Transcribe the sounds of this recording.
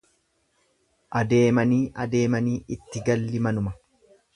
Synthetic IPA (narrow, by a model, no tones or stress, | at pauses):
ʔɐd̪e̞ːmɐniːʔɐd̪e̞ːmɐniːʔɪt̪ːɪɡɐlːɪmɐnʊmɐ